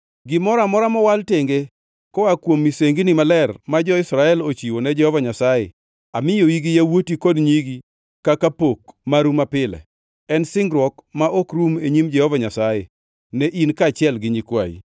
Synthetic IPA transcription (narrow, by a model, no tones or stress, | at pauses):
ɡɪmɔɾamɔɾamɔwalteŋɡe | kɔakwomːiseŋɡinimalɛrmad͡ʒɔɪsɾaɛlot͡ʃiwonɛd͡ʒɛhɔvaɲasajɛ̰ | amɪjoiɡijawotikodɲiɡi | kakapok̚maɾumapɪlɛ̰ | ɛnsɪŋɡɾwɔkmaʔokɾumeɲimd͡ʒɛhɔvaɲasajɛ | nɛʔinkat͡ʃɪɛlɡɪɲikwa̰ḭ